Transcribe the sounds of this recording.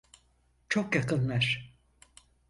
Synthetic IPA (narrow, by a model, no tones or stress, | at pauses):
t͡ʃʰo̞kjakɯnlˠaɾ̥